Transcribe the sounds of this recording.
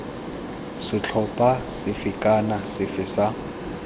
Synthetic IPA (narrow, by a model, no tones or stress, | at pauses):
sɪt͡ɬʰɔpʼasɪfɪkʼanasɪfɪsa